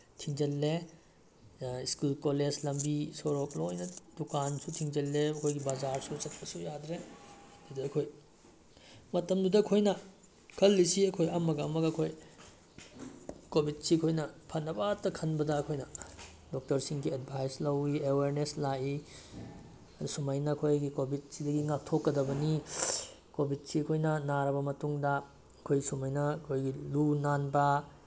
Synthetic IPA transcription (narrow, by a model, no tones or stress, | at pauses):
tʰiŋd͡ʒɐlːe | iskulkoled͡ʒlɐmbisoɾoklojnɐd̥ukansutʰiŋd͡ʒɐlːeɐkʰojɡibazaɾsusɐt̚pɐsujadɾe | dudɐɐkʰoj | mɐtɐmdudɐːkʰojnɐ | kʰɐlːisiɐkʰojɐmɐɡɐɐmɐɡɐɐkʰoj | kobʱid̚sikʰojnɐpʰɐnɐbatːɐkʰɐnbɐdɐːkʰojnɐ | dok̚tɐɾsiŋɡied̚bʱajslɐwieweɾneslai | ɐdusumajnɐkʰojɡikobʱit̚sidɐɡiŋatʰokːɐdɐbɐni | kobʱit̚siɐkʰojnɐnaɾɐbɐmɐtuŋdɐ | ɐkʰojsumajnɐɐkʰojɡilunanbɐ